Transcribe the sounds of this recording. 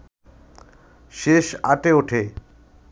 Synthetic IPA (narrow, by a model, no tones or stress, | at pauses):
ʃeʃa̰ʈeoʈʰe